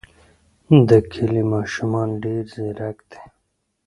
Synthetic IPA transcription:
d̪ɐkʰilimaːʃumɑːnɖeːɾzeɾɐkt̪ʰe̥

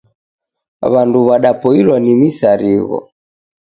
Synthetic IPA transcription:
βanduβaɗapɔilwanimisaɾiɣɔ̰

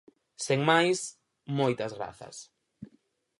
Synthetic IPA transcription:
seŋmajs | mojt̪ɐzɣɾa̰θɐ̰s

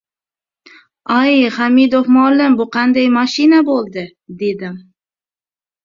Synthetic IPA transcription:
ajχamid̪ofmʊalːɪmbʊqʰɑnd̪ajmaʃinabolˠd̪ɪ | d̪e̞d̪ɪm

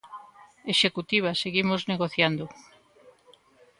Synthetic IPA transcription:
eʃekut̪iβ̞aseɣimozneɣoθjand̪o

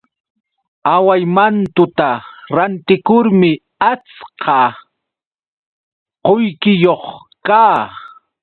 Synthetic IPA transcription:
awajmant̪ʊt̪aɾant̪ɪkʊɾmɪ | at͡sqɑ | qojkɪjoχ | kaː

